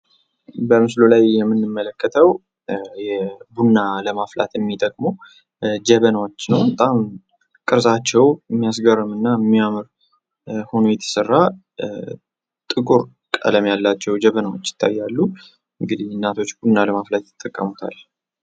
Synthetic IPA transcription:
bəmɨslolajːɛmːɨnːɨmːələkːət̪ʰəw | jɛbunːaləmafla̰t̪ɛmːit̪ʼəkʼmo | d͡ʒəβənwot͡ʃːnəwbət̪ʼam | kʼɨɾsat͡ʃːɛwmːijas̬ɡəɾəmɨnːamːiamɨɾ | ho̞nojɛt̪ʰə̥sərːa | t̪ʼɨkʼuɾ | kʼə̰ləmjalːat͡ʃːɛwd͡ʒəβənawot͡ʃːjɪ̥t̪ʰːa̰jːalːu | ɨŋɡɨd̪inːat̪ʰo̞t͡ʃːbunːaləmaflat̪jɪ̥t̪ʼːəkʼːəmut̪ʰa̰l

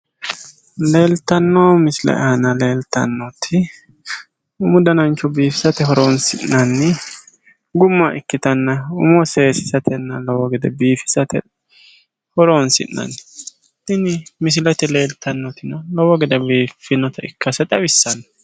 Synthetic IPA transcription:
le̞ːlt̪ɐnːɔmɪsɪlɐ̰ʔɛ̰hɐnɐle̞ːlt̪ɐ̰nːɔt̪ʰːɪ | ʊmʊd̪ɐnɐnt͡ʃːɔbiːfɪ̥sɐt̪ɛɦɔɾonsɪnːɐnːɪ | ɡʊmːɐʔɪkːɪt̪ɐnːɐʊ̰mɔseːsɪ̥sɐt̪ʰɛnːɐlɔwɔɡɛd̪ɛbiːfɪ̥sɐt̪ɛ̰ | hɔɾonsɪ̰nːɐ̰nːɪ | ɪnɪmɪs̬ɪlɐt̪ɛle̞ːlt̪ɐnːɔt̪ʰɪnɐlɔwɔɡɛd̪ɛbiːfːɪnɔt̪ɐɪkːɐsɛt̪ʼɐbɪsːɐnːɐ̥

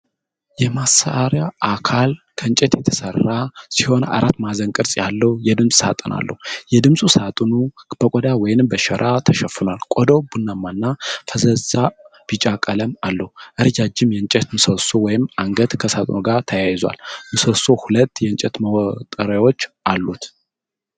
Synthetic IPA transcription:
jɛmasaʔaɾjaʔakʰal | kʰəɨnt͡ʃʼɛt̪jɛt̪ʰə̥sərːasiho̞na̰ɾat̪ːmazəŋkʼɨɾsʼjalːəhjɛd̪ɨmsʼsa̰t̪ʼɨnʔa̰lːə̰hujɛd̪ɨmsʼusat̪ʼnub̥əkʷʼɔd̪awɔjnɨmbəʃɛɾʔat̪ʰəʃəfunalkʷʼɔd̪owbunːamːanːafəzəzab̥it͡ʃʼakʼələmalːəhuʔɨɾd͡ʒad͡ʒɪmjɛnt͡ʃʼɛt̪mɨsəsowɔjɪmaŋɡət̪kʰəsat̪ʼnuɡaɾt̪ʰəjajza̰lmɨsəsohulət̪ːjɛɨnt͡ʃʼɛt̪məwɔt̪ʼːəɾawo̞t͡ʃːʔalːut̪

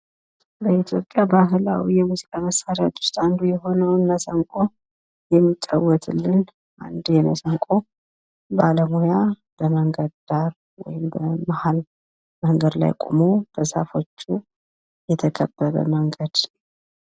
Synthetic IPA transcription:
bəit̪ʰjo̞pʼjabaɦla̰wijɛmuzikʼaməsːaɾjat̪ʼwʊ̥st̪ʼand̪ujɛɦo̞nəwnːəsəŋkʼo | jɛmːit͡ʃʼːawːɔt̪ʰɨlːɨn | ʔa̰nd̪jɛnəsəŋkʼo̞ | baləmoja | b̥əməŋɡəd̪d̪aɾ | wɔ̰jɪmbəmahal | məŋɡəd̪la̰jkʼomob̥əza̰fo̞t͡ʃːu | jɛt̪ʰəkʰəbːəβə̰məŋɡəd̪̥

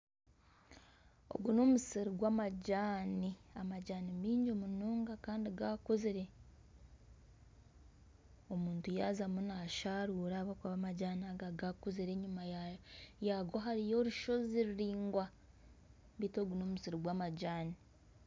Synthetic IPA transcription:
o̞̰ɡunomusiɾiɡwaːmaɟaːniamaɟaːnimiːɲɟomunoːŋɡakaːndiɡakoziɾe̞ | omuːntujaːzamunaʃaɾuːɾaːβakaβamaɟaːniaɡaɡakoziɾe̞ɲuma | jaɡoɦaɾijo̞ɾuʃo̞ziɾiɾiːŋɡwa | βito̞ːɡunoːmusiɾiɡwaːmaɟaːni

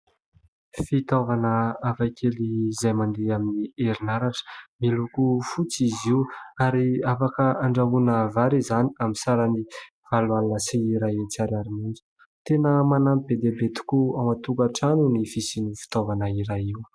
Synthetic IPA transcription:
fit̪ovanəavakʰelizajmand̪eaminieɾinaɾaʈ͡ʂə̥milukufut͡siziuaɾiafakəaɳɖ͡ʐaɦunəvaɾizaniamisaɾəni | v̥alwalunəsiːɾaet͡siaɾaɾimind͡zu̥ | t̪enəmanamibed̪ebet̪u̥kuawmat̪ukaʈ͡ʂanunifisinifi̥t̪ovanəiɾaiw

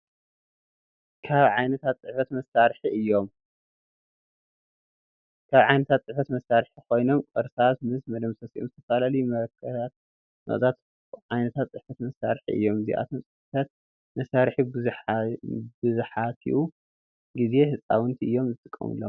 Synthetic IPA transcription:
kʰaβʕajnɐt̪ʰat̪sʼɨħfɐt̪mɐsaɾħiʔɨjːo̞m | kʰaβʕajnɐt̪ʰat̪̚t͡sʼɨħfɐt̪mɐsaɾħikʰo̞jno̞mkʼɐɾsat̪mɨsmɐd̪ɐmsɐsiʔomzɨt̪ʰɐfalalɐjumɐɾɐkʰːɐtat̪̚ | mɐ̰ʔʼzʼat̪ | ʕajnɐt̪ʰat̪sʼɨħfɐt̪mɐsaɾħḭʔɨ̰jːo̞mzḭʔa̰t̪ʰomt͡sʼɨħfɐt̪ʰat̪̚ | mɐsaɾħi | bɨzɨħakʰḭʔu | ɡize̞hɨt͡sʼa̰wʊnt̪ʰiʔɨjːo̞mzɨt̪ʼɨkʼːɐ̰mɨ̰lːom

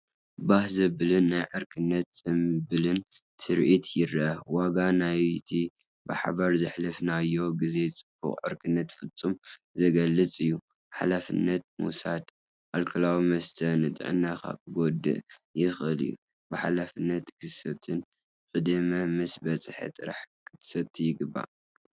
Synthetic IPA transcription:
bahzɐbɨlɨnːajʕɨɾkʰɨnːɐt̪sʼɨmbɨlɨntʰɨɾʔit̪ʰjɪɾʔɐwaɡanajt̪ʰi | bɨ̰ħa̰βaɾzɨħlɨfnajːo̞ɡize̞t͡sʼɨb̥ṵχʼʕɨ̰ɾkʰɨnːɐt̪fɨt͡sʼːumzɐɡɐlːɨt͡sʼɨjːu | ħa̰lafɨ̰nːɐt̪̚mṵsad̪ | ʔalkʰɐlawimɐst̪ʰɐnɨt̪ʼɨ̰ʕɨ̰nːaka̰kʰɨɡod̪ɨ̰ʔjɪxʔɨlɨ̰jːṵ | bɨħa̰lafɨnːɐt̪kʰɨsɐt̪ʰɨn | ʔʼɨd̪ɨmɐmɨsbɐt͡sʼɨħḛt̪ʼɨɾa̰ħkʰɨt̪sɐt̪ʰːijɪɡɨbːa̰

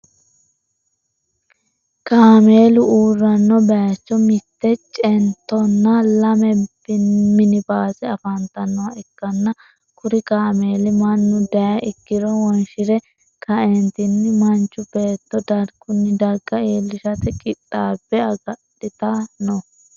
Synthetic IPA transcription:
kaːme̞ːlʊuːrːɐnːɔbɐjɐt͡ʃːɔmɪt̪ːɛt͡ʃʼɛnt̪ːɔnːɐlɐmɛbɪmɪnɪbaːsɛɐfɐnt̪ɐnːɔwɐɛkːɐnːɐ | kʊɾɪkaːmeːlɪmɐnːʊd̪ɐjɐʔɪkːɪɾɔwɔnʃɪɾɛ | kʰɐɛnt̪ɪnːɪmɐnt͡ʃːʊb̥e̞ːt̪ːɔd̪ɐɾɡ̥ʊnːɪd̪ɐɡːɐeːlːɪʃɐt̪ɛkʼɪtʼːaːb̥ːɛɐɡɐɗɪt̪ɐnɔ

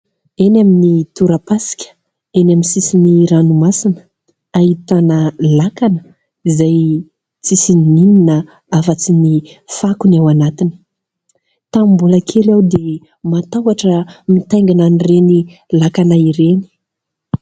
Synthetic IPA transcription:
enaminit̪uɾapasi̥kʲə̥ | enaminsisiniɾanumasinə̥ | aɦit̪anəlakanə̥ | izaj | t͡sisinininə | afat͡sinifakunawanat̪ini̥ | t̪ambuləkʰelawd̪e | mat̪awaʈ͡ʂəmit̪ajŋɡananirenilakanaiɾeni̥

